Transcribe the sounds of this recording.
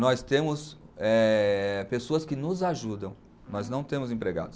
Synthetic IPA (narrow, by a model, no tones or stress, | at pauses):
nɔst̪ẽmʊsɛpesoɐskɪnʊzaʒud̪ɐ̃w̃ | nɔznɐ̃w̃t̪ẽmʊzẽpɾeɡa̰d̪ʊ